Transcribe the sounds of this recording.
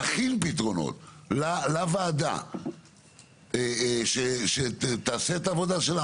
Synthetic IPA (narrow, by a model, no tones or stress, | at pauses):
aχinpit̪ʁo̞no̞̰t̪lalavaːd̪a̰ | eʃeʃet̪aːseet̪aːvo̞d̪aʃela